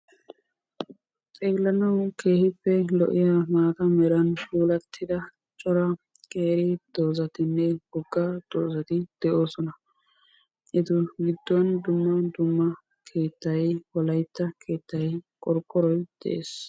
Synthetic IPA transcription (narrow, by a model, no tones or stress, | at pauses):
t͡sʼeːlːɐnɐwke̞ːhɪpːɛlɔ̰ʔɪjɐmaːt̪ɐmɛɾɐnpuːlɐt̪ʰːɪd̪ɐ | t͡ʃʼɔɾɐ | kʼeːɾɪd̪̥o̞ːzɐt̪ɪnːɛɡɔɡːɐd̪̥oːzɐt̪ɪd̪̥ɛʔo̞ːsɔnɐ | ʔɪt̪ʊɡɪd̪ːɔnd̪ʊmːɐd̪ʊmːɐ | kʰe̞ːt̪ːɐjwɔlɐjt̪ːɐkʰe̞ːt̪ːɐjkʼɔɾkʼːɔɾɔjd̪̥ɛ̰ʔeːs